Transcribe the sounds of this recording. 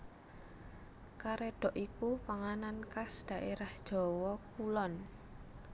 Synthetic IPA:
kaɾeɖ̥ɔ̤ʔikupaŋanankasd̪̥a̤ʔeɾahd̥ʒ̥ɔ̤wɔkulɔn

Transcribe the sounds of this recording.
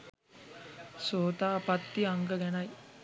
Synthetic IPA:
soːt̪aːpat̪ːiaŋɡəɡɛnɐj

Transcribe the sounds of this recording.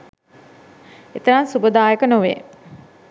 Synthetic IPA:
et̪əɾansubəd̪aːjəkənoʋḛ

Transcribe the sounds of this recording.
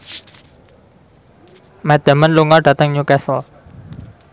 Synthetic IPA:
mɛd̪̥əmənluŋɔɖ̥at̪əŋɲukɛsɔl

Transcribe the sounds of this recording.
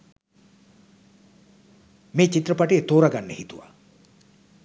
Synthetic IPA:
meːt͡ʃit̪rəpaʈeːt̪oːɾaɡanːəhit̪uʋa̰

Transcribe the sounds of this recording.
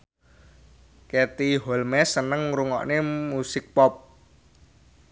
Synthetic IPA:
ket̪iɦɔlmɛsənəŋɾuŋɔ̰ʔnemusɪk̚pɔp̚

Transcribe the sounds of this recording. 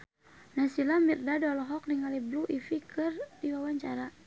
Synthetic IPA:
nasilamirdadɔlɔɦɔk̚niŋalɛbluʔifikɨrdiwawaɲt͡ʃaɾa

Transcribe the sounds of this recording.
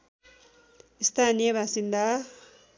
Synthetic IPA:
ist̪ʰaːnijeβasind̪a

